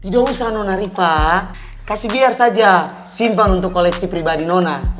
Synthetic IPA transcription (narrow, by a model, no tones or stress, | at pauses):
t̪idɔusanɔnaɾifa | kasibiarsad͡ʒa | simpanunt̪ukːɔlɛksipɾibadinɔna